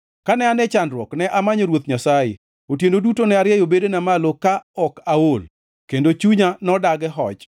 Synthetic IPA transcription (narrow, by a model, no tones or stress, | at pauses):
kanɛanɛt͡ʃandɾwɔknɛʔamaɲoɾwot̪ɲasajɪ̰ | otjendodutonɛaɾɪjɛjobedenamalokaɔkaol | kendot͡ʃuɲanɔdaɡɛɦɔ̰t͡ʃ